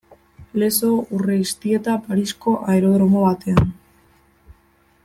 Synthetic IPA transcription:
le̞so̞ureist̪ie̞t̪apaɾisko̞ʔaeɾo̞ðɾomo̞βat̪e̞an

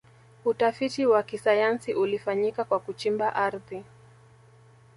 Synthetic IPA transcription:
utafitiwakisajansiʔulifaɲikakwakut͡ʃimbaʔaɾði

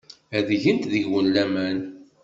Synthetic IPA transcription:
æðʝənt̪ðəʝwəlːæmæn

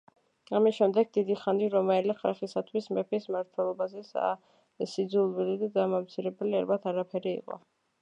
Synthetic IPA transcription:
amisʃɛmd̪ɛɡ̚d̪id̪iχaniɾɔmɛlɛχalˠχisat̪ʰwismɛpʰismaɾt̪ʰwɛlˠɔbazɛsa̰ | sid̪zulˠwilid̪ad̪amamt̪sʰiɾɛbɛliaɾbat̪ʰaɾapʰɛɾiḭqʼɔ̰

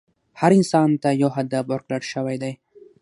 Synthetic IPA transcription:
haɾɪnsɑnt̪ajawɦad̪abaɾklaɽʃawajd̪aj

